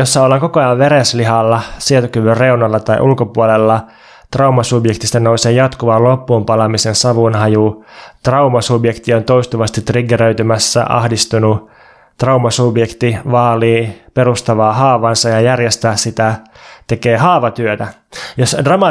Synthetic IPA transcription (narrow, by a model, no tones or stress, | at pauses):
josːɑolːɑŋkokojɑʋʋeɾesliɦɑlːɑsielt̪ukyʋyrreunɑlːɑt̪ɑj̰ʔulkopuolelːɑ | t̪rɑumɑsubjek̚t̪ist̪ɑnouseːjɑt̪kuʋɑlopːuːmpɑlɑmisensɑʋunɦɑjut̪rɑumɑsubjekt̪iont̪oist̪uʋɑst̪it̪ːriɡeɾøyt̪ymæsːæ̰ʔɑ̰hdist̪unu | t̪rɑumɑsubjekt̪iʋɑːliːpeɾust̪ɑʋɑːhɑːʋɑnsɑjɑjærjest̪æːssit̪æ | t̪e̞keːhɑːʋɑt̪yøt̪æ | josdrɑmɑ